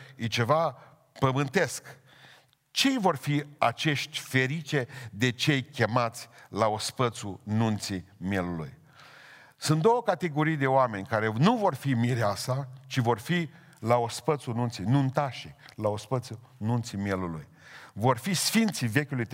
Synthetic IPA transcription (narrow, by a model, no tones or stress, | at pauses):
jet͡ʃe̞va | pəmɨnt̪e̞sk | t͡ʃe̞jvo̞rfia̰t͡ʃe̞ʃt̪ʲfe̞ɾit͡ʃed̪e̞t͡ʃe̞jkʲe̞mat̪sʲlaospət̪sununt̪simje̞lulṵj | sunt̪d̪o̞wəkat̪e̞ɡo̞ɾijd̪e̞oame̞nʲkaɾe̞nuvo̞rfimiɾeasat͡ʃivo̞rfi | laospət̪sunũnt̪sijnunt̪aʃilaospət̪su | nunt̪simjelulṵj | vo̞rfisfint̪sive̞kʲulujt̪